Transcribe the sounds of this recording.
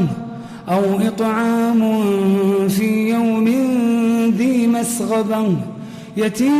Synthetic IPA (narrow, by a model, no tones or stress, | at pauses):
ʔawʔɨt̪ˤʕɑːmʊnfiːjawmɪnðiːmasɣɑban | jat̪iː